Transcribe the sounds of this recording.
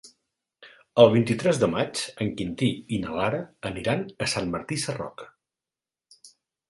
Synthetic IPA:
əlˠβ̞int̪it̪ɾɛzðəmat͡ʃəŋkint̪iinəlaɾəəniɾanəsanməɾt̪isərɔ̰kə

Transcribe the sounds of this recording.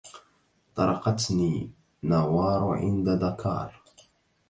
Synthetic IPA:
t̪ˤɑɾˤɑqɑt̪niː | nawɑːɾˤʕɪ̰nd̪aðakʰɑ̰ːɾˤ

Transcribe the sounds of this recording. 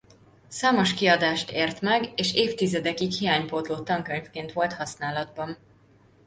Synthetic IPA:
saːmo̞ʃkiɒd̪aːʃt̪eːrt̪mɛɡeːʃeːft̪izɛd̪ɛkikhijaːɲpoːt̪loːt̪ɒŋkøɲfkeːnt̪ʋo̞lt̪hɒsnaːlɒd̪̚bɒn

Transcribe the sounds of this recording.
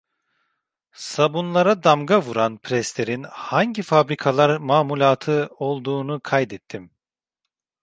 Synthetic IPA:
sabunlˠaɾad̪amɡavuɾanpʰɾɛslʲeɾinhaɲɟifabɾikʰalˠaɾmaːmulʲaːt̪ʰɯo̞lˠd̪uːnukʰajd̪ɛt̪ʰːim

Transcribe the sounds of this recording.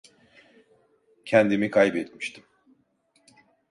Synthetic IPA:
cʰɛnd̪imikʰajbɛt̪mi̥ʃt̪ʰim

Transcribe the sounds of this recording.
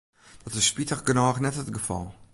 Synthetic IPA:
d̥ɔtɪsspitəχɡənɔːχnɛtətɡəfɔ̰lˠ

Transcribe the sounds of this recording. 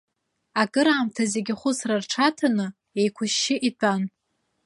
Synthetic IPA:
akʼɨɾaːmtʰazeɡʲɪχʷʊsrarʈ͡ʂʰatʰanɨ | e̞jkʷʰʊʃːɪʔitʰʼan

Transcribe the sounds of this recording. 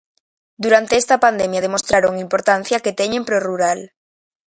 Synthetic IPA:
d̪uɾant̪e̞est̪apand̪emjað̞emo̞st̪ɾaɾoŋimpo̞ɾt̪an̟θjaket̪eɲempɾoruɾal

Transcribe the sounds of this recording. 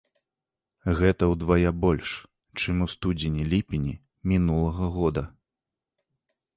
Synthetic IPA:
ɣɛt̪ɐwd̪vajabɔlʲʂ | t͡ʂɨmust̪ud͡zʲinʲilʲipʲinʲi | mʲinulˠɐɣɐɣɔd̪ɐ

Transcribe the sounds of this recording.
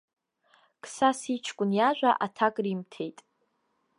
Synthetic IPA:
kʰʼsasit͡ʃʰkʷʼʊnjaʒᶣʷaʔatʰakʼrimtʰe̞jtʼ

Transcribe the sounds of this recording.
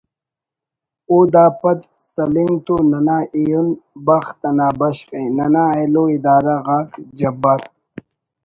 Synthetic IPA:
oːd̪aːpɐt̪ | sɐliŋt̪unɐnaːʔijunbɐxt̪ɐnaːbɐɕqẽnɐnaeloːid̪aːɾaɣaːkd͡ʑɐbɐɾ

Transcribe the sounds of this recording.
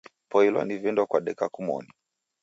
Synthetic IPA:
pɔilwa̰nivɛndwakwaɗɛkakumɔ̰ni

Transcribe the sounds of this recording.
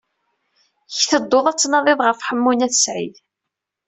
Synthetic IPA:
çθəd̪ˤːoðˤɑt͡sːnɑðˤɪðˤʁəfħəmːunæθsʕḭð

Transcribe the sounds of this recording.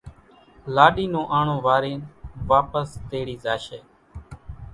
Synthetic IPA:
laːɗiːnõːʔaːɳõːʋaːɾeːnʋaːpəst̪eːɽiːzaːʃeː

